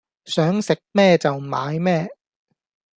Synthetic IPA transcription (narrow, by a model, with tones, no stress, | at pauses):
sœː˨˥ŋsɪ˨k̚mɛː˥˧t͡sɐ˨wmaː˨˧˥jmɛː˥˩